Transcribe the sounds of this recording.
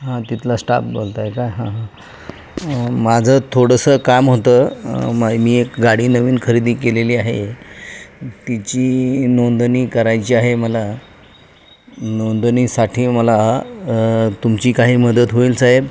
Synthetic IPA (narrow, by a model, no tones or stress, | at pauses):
ɦãt̪it̪ʰlasʈa̰p̚bolt̪aekaɦãɦã | mad͡zʱət̪ʰoɽəsəkamɦot̪əːmamiːekɡaɽiːnəʋiːnkʰəɾid̪iːkeleliːaɦe | t̪it͡ɕiːnond̪əniːkəɾajt͡ɕiːaɦeməla | nond̪əniːsaʈʰiːməla | t̪umt͡ɕiːkaɦiːməd̪ət̪ɦoiːlsaɦeb